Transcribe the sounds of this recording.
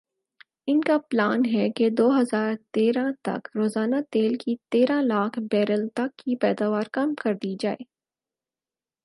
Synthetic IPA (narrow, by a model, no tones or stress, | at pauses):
ɪnkaplaːnɦɛked̪oːɦɐzaːɾt̪eːɾãt̪ɐ̰kɾoːzaːnat̪eːlkit̪eːɾãlaːkʰbɛːɾəlt̪ɐkːipɛːd̪aːʋaːɾkɐmkɐɾd̪id͡ʒaːḛː